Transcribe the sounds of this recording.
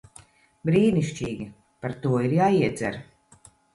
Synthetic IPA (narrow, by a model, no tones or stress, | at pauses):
bɾiːniʃt͡ʃiːɡʲi | paɾt̪uɔiɾjaːiɛt̪zʲɛ̰ɾ